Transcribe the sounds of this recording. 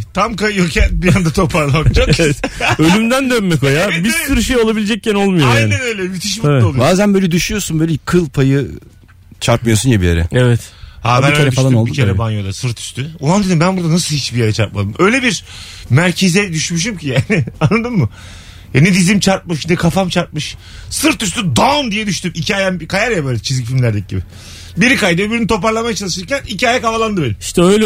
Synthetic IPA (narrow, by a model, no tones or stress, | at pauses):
t̪ʰamkajjocʰænbijand̪at̪ʰo̞pʰaɾlˠad͡ʒa | ølʲymd̪ænd̪ønmːɛkojabisyɾyʃejo̞lˠabilʲed͡ʒɛc̚cʰːæno̞lˠmujoajaːnɛnøjlʲɛmyt̪ʰiʃmabolˠbaːzænbø̞jlʲɛd̪yʃyjo̞sunbø̞ːlʲɛkʰɯlˠpʰajɯ | t͡ʃʰaɾt̪̚mɯjosunjabijeɾɛ̰evɛt̪haænøeɛdyfaʃlˠamnolˠdbieɾɛbanjod̪asɯɾt̪ʰy̥ʃt̪ʰyolˠand̪ed̪ʲimbænbuɾd̪anasɯlˠhit͡ʃbijeɾɛt͡ʃʰaɾt̪̚mad̪ɯmø̞jlʲebiɾmæɾcʰe̞zɛd̪yʃmyʃ̬imcʰijaːnɪanːad̪ɯmːɯ | janɛd̪izimt͡ʃʰaɾt̪̚mɯʃnɛkʰafamt͡ʃʰaɾt̪̚mɯʃsɯɾt̪yst̪yd̪ond̪ijɛd̪yʃt̪ymicʰaːjɛmkʰajaɾjabeːlʲt͡ʃʰizɡʰifilʲmlʲæɾd̪ʲɛc̚ɟibɪ | biɾikajd̪ɯbiɾnyt̪ʰo̞paɾlˠamajat͡ʃʰalˠɯʃɯɾcænicʰaːjɛkavalˠand̪ɯbenimiʃt̪ɛøjlʲɛ